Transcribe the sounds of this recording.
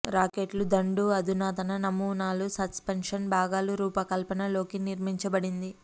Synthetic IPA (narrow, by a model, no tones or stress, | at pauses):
ɾaːkeːʈlud̪ɐɳɖuɐd̪ʱunaːt̪ɐnɐnɐmuːnaːlusɐspenʂɐnbʱaːɡaːluɾuːpɐkɐlpɐnɐlo̞ːkiniɾmiɲt͡ʃɐbɐɽind̪i